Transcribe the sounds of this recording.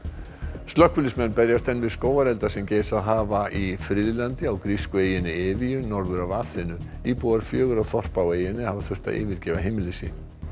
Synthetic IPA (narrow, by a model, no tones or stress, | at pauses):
st̪lœhkvʏlɪsmɛnːpɛɾjast̪ɛnːvɪðskoːwaɾɛlt̪asɛmceːjsaðɦaːvaʔifɾɪðlant̪ɪawkɾiskʏeːjɪnɪɪːvijʏnɔɾðʏɾavaːθɪnːʏ | iːpuːwaɾ̥fjœːɣʏɾawθɔr̥paweːjɪnɪhavaθʏr̥t̪a̰ʔɪ̰ːvɪɾcɛːvaɦejmɪlɪsɪ̰